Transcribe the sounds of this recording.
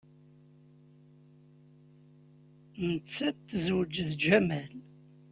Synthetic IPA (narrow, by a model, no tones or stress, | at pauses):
nət͡sːæt̪ːəzwəd͡ʒðd͡ʒæmæl